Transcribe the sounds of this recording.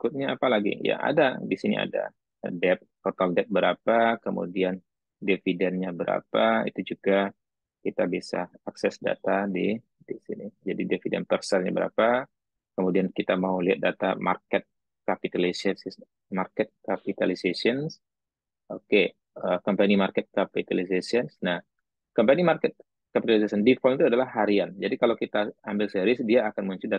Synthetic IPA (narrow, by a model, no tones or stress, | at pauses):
ikʊt̪̚ɲaapalaɡḭja̰ʔa̰dadisinḭa̰da̰ | dɛp̚pɔt̪aldɛp̚bəɾapakəmṵdian | defidɛnɲabəɾʔa̰paḭt̪ud͡ʒuɡa | kit̪abisaaksɛsda̰t̪adi | disḭnid͡ʒadidefidɛ̰npərsərɲa̰bəɾa̰pa | kəmudiankit̪amauliat̪̚dat̪ama̰rkɛt̪̚ | kapit̪alisɛss | markɛt̪̚kapit̪alisesiəns | ʔoke | əkɔmpanimarkɛt̪̚kapit̪alisesiənsnah | kɔmpanimarkɛt̪̚ | kapit̪alis̬asəndifɔlit̪uadalahɦaɾiand͡ʒadikalawkit̪aambɪlsɛɾɪsdiaːkanmuɲt͡ʃʊda